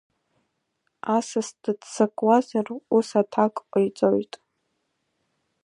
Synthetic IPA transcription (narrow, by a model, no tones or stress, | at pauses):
asasdɨdsakʼwazarusatʰakʼqʷʼajt͡sʼojtʼ